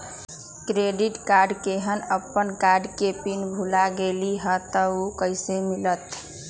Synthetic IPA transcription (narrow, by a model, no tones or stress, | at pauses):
kɾeɖiʈkaɾɖkeɦənəpːənkaɾɖkepinbʱulaɡeliɦət̪əukəjsemilət̪